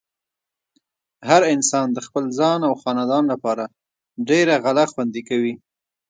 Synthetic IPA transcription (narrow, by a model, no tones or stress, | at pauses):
haɾɪnsɑnd̪əxpəlzɑnawxɑnɑd̪ɑnlapɑɾa | ɖeɾaɣalaxwand̪ikawi